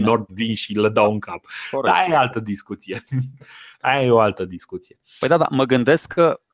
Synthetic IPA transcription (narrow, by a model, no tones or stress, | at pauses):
nord̪vinʃiləd̪awɨŋkapod̪a̰jealt̪əd̪iskut̪sije | ajajeoalt̪əd̪iskut̪sije̞pə̰jd̪ad̪a̰məɡɨnd̪e̞skʰːə